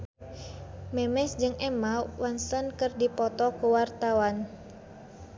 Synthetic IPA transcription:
mɛmɛsd͡ʒɨŋɛmawansənkɨrdipɔt̪ɔkuwart̪awan

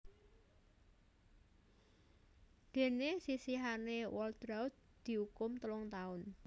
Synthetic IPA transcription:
d̪̥e̤nesisiɦanewɔld̪̥ɾaʊt̪̚d̪̥i̤ukʊmt̪əlʊŋt̪aʊn

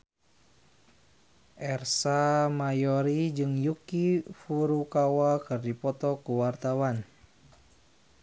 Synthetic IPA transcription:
ʔɛrsamajɔɾid͡ʒɨŋjukifuɾukawakɨrdipɔt̪ɔkuwart̪awan

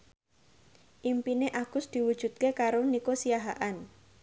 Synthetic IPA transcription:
ʔimpineʔaɡ̥ʊsd̪̥i̤wud̥ʒ̥ṳt̪̚kekaɾonikosijaɦaʔan

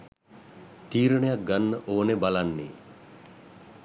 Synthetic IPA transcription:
t̪iːɾəɳejak̚ɡanːəʔoːnebalanːḛː

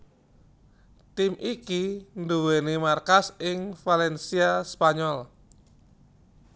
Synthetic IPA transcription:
t̪imʔikinduwenimarkasɪŋfalɛnsiaspaɲɔl

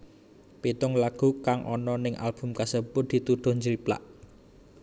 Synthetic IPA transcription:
pit̪ʊŋlaɡ̥ṳkaŋʔɔnɔnɪŋʔa̰lb̥ʊ̤mkasəbʊt̪̚d̪̥i̤t̪uɖ̪̥ɔ̤hɲd͡ʒəɾipla̰ʔ

